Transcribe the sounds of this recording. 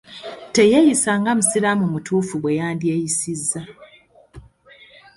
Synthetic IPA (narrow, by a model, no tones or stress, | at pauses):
te̞jejisaːŋɡamusiɾamumutuːfuɡwe̞jaːndie̞jisizːa